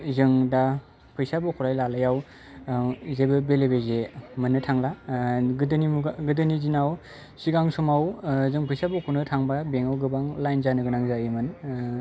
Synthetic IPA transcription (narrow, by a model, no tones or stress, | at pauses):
zɯŋda | pʰɯjsabukʰuɾajlalajaw | zebɯbelebezemɯnɯtʰaŋlaɡɯdɯnimuɡɯdɯnizinaw | siɡaŋsɔmawzɯŋpʰɯjsabukʰunɯtʰaŋbabeŋawɡɯbaŋlajnzanɯɡɯnaŋzaimɯn